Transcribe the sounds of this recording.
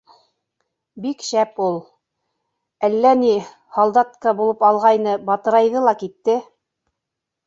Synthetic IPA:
bikʃæpulˠ | ælːæni | hɑlˠd̪ɑt̪̚kɑbulˠɤpɑlˠʁɑjnɤbɑt̪ɤ̆ɾɑjðɤlˠɑkit̪ːɘ

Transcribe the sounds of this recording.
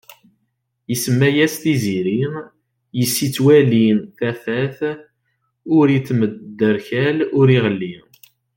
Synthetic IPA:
jəsəmːæjæst̪iziɾi | jəsːit͡sːwælinθæfæθ | ʊɾit͡sːmədd̪ːəɾçælʊɾiʁəlːi

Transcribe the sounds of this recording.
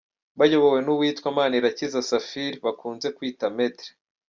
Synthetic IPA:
βajoβowe̞nuβwiːtkwamaːniɾacizasafiɾiβakuːnze̞kwiːtame̞tɾe̥

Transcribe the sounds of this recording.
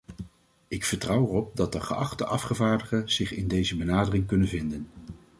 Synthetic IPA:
ɪkfəɹtrʌwərɔp̚dɑt̚dəχə̰ʔɑχtəʔɑfχəvaːɹdəχəz̥ɪχɪndejzəbənaːdərɪŋkɵnənvɪndən

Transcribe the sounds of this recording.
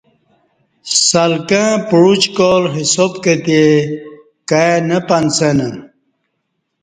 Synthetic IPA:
salkãpuɻut͡ɕkolɦisopket̪e | kaenəpansenə

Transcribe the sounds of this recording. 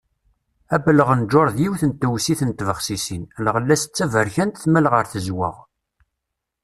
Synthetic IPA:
æbələʁənd͡ʒoɾˤðjiwθənt̪ːəwsiθənt̪ːvəχsisinlʁəlːæst͡sːævəɾçænt̪θmælʁəɾθəzwə̰ʁ

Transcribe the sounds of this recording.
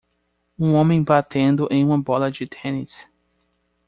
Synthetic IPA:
ũõmẽj̃bat̪ẽnd̪ʊʔẽj̃ũmɐbɔlɐd͡ʒɪt̪ʰẽnis

